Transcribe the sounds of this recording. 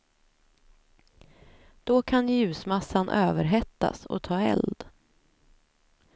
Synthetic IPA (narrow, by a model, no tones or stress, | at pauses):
d̪̥ɔkʰanjʉ̟ːsmasːanʔøːvəɾɦɛt̪ːa̰sɔ̰t̪ʰɑːɛ̰ld̪